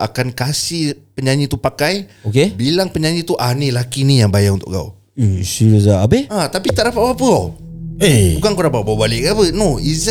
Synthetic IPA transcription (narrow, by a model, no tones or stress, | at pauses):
akankasihpəɲaɲĩt̪upakajokebilaŋpəɲaɲĩt̪uʔanilakinijaŋbajaunt̪ʊ̰ʔɡa̰ṵ | siɾəzaabəat̪apit̪aʔɾapaʔbapəo | ebukankonapabawbalɪʔkapənoiz